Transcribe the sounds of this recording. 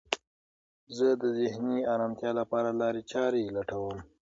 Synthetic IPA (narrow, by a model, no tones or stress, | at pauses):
zəd̪əzɪhniɑɾɑmt̪jɑlapɑɾalɑɾet͡ʃɑɾelaʈawəm